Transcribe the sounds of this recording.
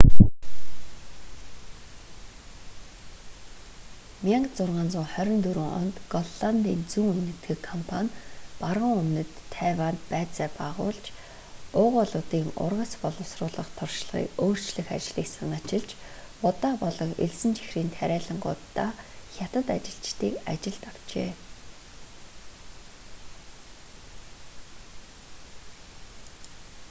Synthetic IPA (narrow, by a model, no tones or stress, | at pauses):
mʲjaŋkt͡sʊrʁaːnt͡sʊŋχœɾʲɪ̆nt̪ɵɾɘ̆ŋɔ̰nt̪ɡɔɮɮant̪iːnt͡suŋɵnɘ̆t̪ɡɘ̆kʰːɔmpʰanʲparʁə̆ŋɵmnɘ̆t̪ʰːæːwaːnt̪pæːt͡saːpaːʁʊ̰ːɮt͡ɕ | ʊːʁʊɮʊːt̪iːŋʊ̰rʁə̆spɔɮʊ̆wsrʊːɮə̆χt̪ʰʊrʃɮʁḭːkoːr̥t͡ɕɮɘ̆xa̰t͡ɕɮiːksanăt͡ɕɪ̆ɮt͡ɕ | ʊt̪aːpɔɮɞ̆ŋḛɮsɘ̆nt͡ɕʰi̥xriːnt̪ʰæɾʲæːɮə̆ŋɢʊ̰ːt̪ːaxʲjat̪ə̆t̪at͡ɕɪ̆ɬt͡ɕt̪iːka̰t͡ɕɪ̆ɮt̪aw̥t͡ɕḛː